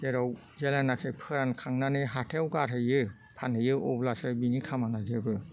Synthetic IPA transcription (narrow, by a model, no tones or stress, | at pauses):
zeɾɔw | zelanakʰejpʰɯɾankʰaŋnanɯɦatʰewkaɾʰɯjɯ | pʰanɯjɯɔblasɯbinikʰamanazebɯ